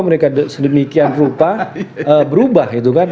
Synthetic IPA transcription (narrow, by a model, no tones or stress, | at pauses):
məɾekasədəmikianrupaəbəɾubahit̪ukan